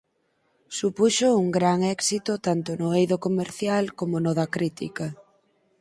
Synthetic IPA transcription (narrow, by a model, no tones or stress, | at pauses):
supuʃouŋɡɾaŋɛksit̪ʊt̪ant̪ʊnʊejðokomeɾθjalkomʊnoðɐkɾit̪ḭkɐ